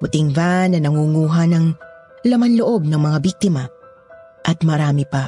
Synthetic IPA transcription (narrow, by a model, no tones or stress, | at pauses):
kʊt̪ɪŋvanːɐnɐŋuŋuːɦɐnɐŋ | lɐmanloʔob̚nɐŋmɐŋabik̚t̪ɪma | ʔɐt̪̚mɐɾaːmɪpa